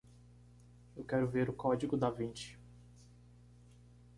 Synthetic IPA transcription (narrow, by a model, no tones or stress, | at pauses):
ewkɛɾʊveɾʊkɔd͡ʒiɡʊd̪avĩt͡ʃi̥